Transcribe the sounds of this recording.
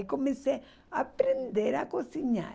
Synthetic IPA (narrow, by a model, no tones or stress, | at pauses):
komĩse | apɾend̪eɾakosiɲã̰